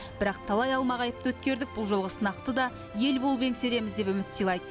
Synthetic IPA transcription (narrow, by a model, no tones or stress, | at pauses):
b̥ɪɾɑq̚t̪ʰɑlˠɑjɑlˠmɑʁɑjəp̚t̪əwɵt̪̚kʲe̞ɾd̪ɪk̚bʊlˠʒo̞lˠʁəsənɑqt̪əd̪ɑ | je̞lbolˠbe̞ŋse̞ɾe̞mɪzd̪e̞pʏmɪt̪sijlˠɑjd̪ə